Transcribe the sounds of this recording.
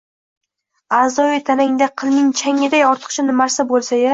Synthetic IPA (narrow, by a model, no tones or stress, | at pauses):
azɒjijt̪ʰanaŋd̪aqʰɨlˠmɪŋt͡ʃʰaŋʲɪd̪ajɒɾt̪ʰɨ̥qt͡ʃʰanɪmaɾsabolˠsaja